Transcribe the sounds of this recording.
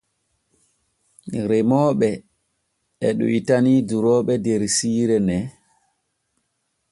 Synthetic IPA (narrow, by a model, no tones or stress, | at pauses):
ɾemɔːɓɛ | ɛɗṵitaniduɾɔːɓɛdɛɾsiːɾɛnɛ